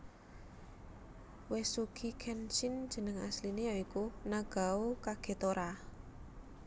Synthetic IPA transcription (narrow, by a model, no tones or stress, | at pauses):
wesuɡ̥ʰikʰɛnt͡ʃɪn̥ʒ̥ə̤nəŋa̰slinejaikunaɡ̥a̤ukaɡ̥e̤t̪oɾa